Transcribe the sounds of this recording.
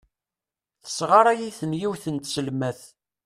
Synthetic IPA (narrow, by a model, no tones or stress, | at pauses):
θə̥sʁaɾˤæjiθənjiwθənt̪səlmæθ